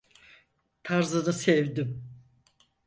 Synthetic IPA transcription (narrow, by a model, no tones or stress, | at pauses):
t̪ʰaɾzɯnɯsɛvd̪im